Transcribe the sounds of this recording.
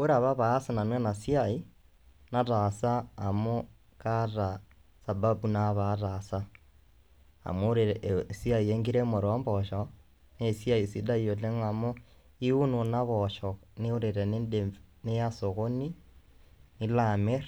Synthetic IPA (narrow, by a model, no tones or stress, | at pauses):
uɾaβaβaːsananwenasiai | natasaːmo | kata | sababunaβatasa | a̰moɾesiaieŋɡiɾemuɾomboʃo | nesiaisidaioleŋamo | iununaβoʃoniuɾiɾenedenejasoɣoni | nilameɾ